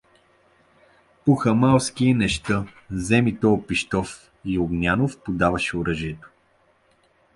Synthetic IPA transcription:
puxəmalˠskiɛnɛʃt̪ɤzɛmit̪ɔːpiʃt̪ɔf | ioɡnʲanofpod̪avɐʃɛʊɾɤʒiɛt̪o̥

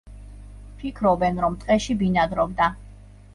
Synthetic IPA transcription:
pʰikʰɾɔbɛnɾɔmt̪ʼqʼɛʃibinad̪ɾɔb̚d̪a

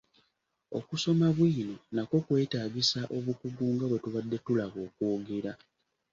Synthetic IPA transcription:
o̞kuso̞maβwiːno̞nako̞kwe̞ːtaːɡisaʔo̞βukuɡuːŋɡaβwe̞tuβadːe̞tulaβo̞ːkuːɡe̞ɾa

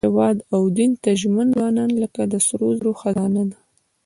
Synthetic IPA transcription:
ewɑd̪awd̪int̪aʒmənzɑnɑnləkad̪əsɾozɾoxazɑnad̪a

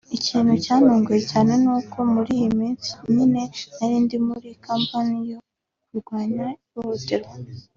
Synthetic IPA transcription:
iciːnhucaːnuːŋɡujecaːne̞nuːkʰo̞muɾijimiːnsi̥ɲine̞naɾiːndimuɾikaːmpanijo | kuɾɡwaːɲajohoteɾo

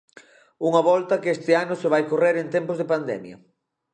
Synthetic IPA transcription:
uŋɐβɔlt̪ɐkest̪ɪanʊseβajkoreɾent̪ɛmpozðɪpand̪ɛ̰mjɐ̰

